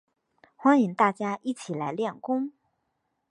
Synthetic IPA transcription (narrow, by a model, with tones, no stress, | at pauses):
xwa˥ni˧˥ŋt̪a˥˩t͡ɕja˥ʔi˥˩t͡ɕʰi˨˩la˧˥ɪljɛ˥˩nkʊ˥ŋ